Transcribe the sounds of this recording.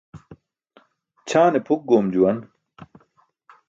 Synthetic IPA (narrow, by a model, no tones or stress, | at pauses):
t͡ɕʰaːnepʰuk̚ɡoːmd͡ʑuwɐn